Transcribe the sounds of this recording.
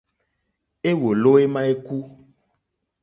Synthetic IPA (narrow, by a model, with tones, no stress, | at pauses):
e˦wo˨lo˦e˦mã˦e˦ku˦